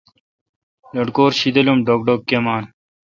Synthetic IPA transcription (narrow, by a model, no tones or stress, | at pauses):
loɖkoːɾɕid̪ɐlumɖoːk̚ɖoːkːemaːn